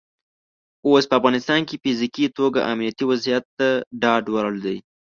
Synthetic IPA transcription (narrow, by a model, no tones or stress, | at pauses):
ospəafɣɑnɪst̪ɑnkefizikit̪oɡa̰ʔamnijat̪iwazijat̪ːaɖɑɖwaɾəld̪aj